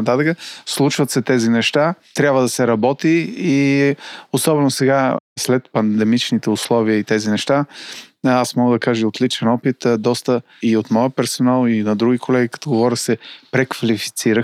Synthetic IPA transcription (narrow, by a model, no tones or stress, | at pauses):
t̪at̪əkəslˠut͡ʃvət̪sɛt̪ɛzinɛʃt̪at̪ɾʲjabvəd̪ɐsɛɾɐbɔt̪iː | osɔbɛnosɛɡaslɛt̪pɐnd̪ɛmit͡ʃnit̪ɛʊslˠɔviəit̪ɛzinɛʃt̪a | asmɔɡəd̪ɐkaʒəot̪lit͡ʃɛnɔpit̪d̪ɔst̪ə | iot̪mɔjəpɛɾsonalˠinɐd̪ɾuɡʲikʰolɛɡʲikɐ̥t̪oɡovɔɾʲəxsɛpɾɛkvɐlifi̥t̪siɾəx